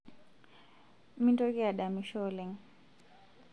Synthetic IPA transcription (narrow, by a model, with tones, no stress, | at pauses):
mi˦ntɔ˦kɛ˦a˨ɗa˨miʃɔ˦lɛŋ